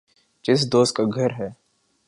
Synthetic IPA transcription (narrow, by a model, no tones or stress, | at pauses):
t͡ʃɪs̬d̪oːst̪̚kaɡʱɐɾɦɛː